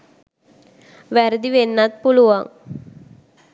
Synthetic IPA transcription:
ʋɛɾd̪iʋenːat̪̚puluʋaŋ

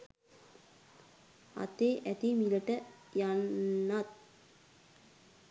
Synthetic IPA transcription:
a̰t̪eːʔæt̪imiləʈəjanːat̪̚

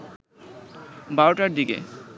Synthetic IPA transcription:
baɾoʈaɾɖiɡḛ

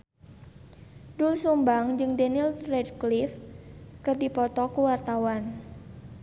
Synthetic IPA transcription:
dulsumbaŋd͡ʒɨŋdɛnilrɛdklifkɨrdipɔt̪ɔkuwart̪awan

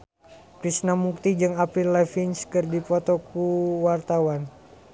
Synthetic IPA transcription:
kɾisnamuk̚t̪id͡ʒɨŋapɾilːafinskɨrdipɔt̪ɔkuwart̪awan

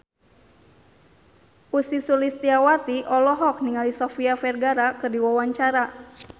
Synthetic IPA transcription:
ʔusisulist̪iawat̪iʔɔlɔɦɔk̚niŋalisɔfiafɛrɡaɾakɨrdiwawaɲt͡ʃaɾa

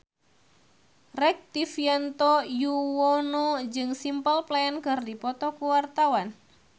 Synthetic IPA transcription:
rɛk̚t̪ifiant̪ɔjuwɔnod͡ʒɨŋsimpəlplaɛnkɨrdipɔt̪ɔkuwart̪awan

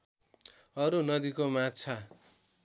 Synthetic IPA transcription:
ʌɾunʌd̪ikomat͡sʰa

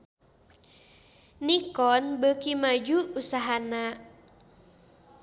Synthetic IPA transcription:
nikɔnbəkimad͡ʒuːsaɦana

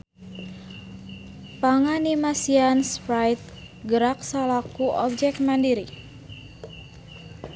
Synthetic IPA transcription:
paŋanimasianspɾajt̪̚ | ɡəɾak̚salakuʔɔ̰b̚d͡ʒɛk̪̚mandiɾi

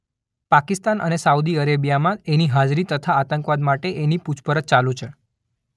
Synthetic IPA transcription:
pakist̪anʔə̰nesaud̪iəɾebijamãeniɦad͡ʒɾit̪ət̪ʰaːt̪əŋkʋad̪maʈeʔeniput͡ʃʰpəɾət̪̚t͡ʃalũt͡ʃʰe

